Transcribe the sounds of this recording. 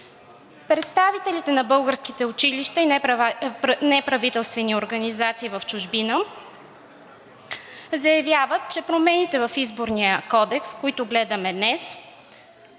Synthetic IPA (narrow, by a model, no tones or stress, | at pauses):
pɾɛt̪st̪avit̪ɛlit̪ɛnɐbɤlˠɡəɾskit̪ɛʊt͡ʃiliʃt̪əin | nɛpɾɐvit̪ɛlˠst̪vɛnioɾɡɐnizat̪siːvɐft͡ʃʊʒbinə | zɐjɐvʲjavət̪̚t͡ʃɛpɾomɛnit̪ɛvɐfizboɾnijəkɔd̪ɛkskoit̪ʊɡlɛd̪ɐmɛd̪nɛs